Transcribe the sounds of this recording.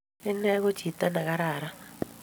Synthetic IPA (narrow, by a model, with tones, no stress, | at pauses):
ɪ˦nɛ˦ɣo˦t͡ʃi˨t̪a˦na˨ka˦ɾa˨ɾa˦